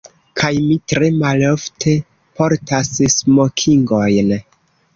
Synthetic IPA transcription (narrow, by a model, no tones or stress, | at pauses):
kʰajmitɾe̞maloftʰe̞ | pʰo̞ɾtassmokʰiŋɡo̞jn